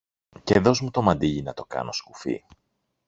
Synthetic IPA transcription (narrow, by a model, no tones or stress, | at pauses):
ceðo̞zmut̪o̞mɐnd̪iʎinɐt̪o̞kɐ̰no̞skufḭ